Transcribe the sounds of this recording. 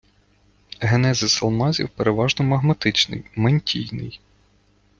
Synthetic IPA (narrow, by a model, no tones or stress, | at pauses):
ɦenɛzɪsɐlˠmɑzʲḭwpeɾeʋɑʒnɔmɐɦmɐt̪ɪt͡ʃnɪ̰jmɐnʲtʲijnɪ̰j